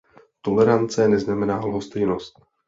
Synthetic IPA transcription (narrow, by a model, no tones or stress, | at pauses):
t̪o̞lɛɾant͡sɛnɛznamɛnaːlɦost̪ɛjnost̪̚